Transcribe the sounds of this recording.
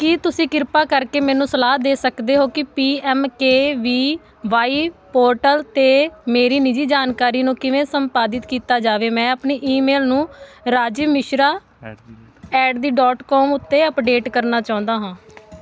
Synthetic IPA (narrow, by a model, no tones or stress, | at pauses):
kit̪ʊsĩːkɪɾpaːkəɾkeːmɛ̃ːnũːsəlaːd̪eːsəkd̪eːɦoːkɪpiːɛːmkeːʋiː | ʋaːiːpoːɾʈəlt̪eːmeːɾiːnɪd͡ʒiːd͡ʒaːnkaːɾiːnũːkɪʋẽːsəmpaːd̪ɪt̪kiːt̪aːd͡ʒaːʋeːmɛ̃ːəpniːʔiːmeːlnũːɾaːd͡ʒimɪʃɾaː | ɛːʈd̪iːɖɔːʈkɔːmʊt̪ːeːəpɖeːʈkəɾnaːt͡ʃaːʊ̃nd̪aːɦãː